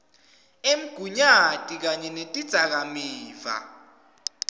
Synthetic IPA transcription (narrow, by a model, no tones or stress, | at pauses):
em̩ɡ̥ʱuɲatʼik̬aɲɛnetʼid̥z̥ʱak̬amiːva̰